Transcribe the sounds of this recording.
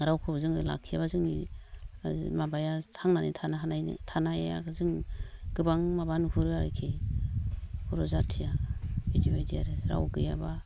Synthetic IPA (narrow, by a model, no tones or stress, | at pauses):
ɾawkʰɯzɯŋɯla̰kʰːijaβazɯŋni | mabajatʰaŋnanitʰanaɦanajn̰tʰanajakʰzɯŋɡɯbaŋmabanhuɾɯaɾɯ̰kʰi | huɾɔzatʰijabidibajdiaɾɯɾa̰wɡɯjaba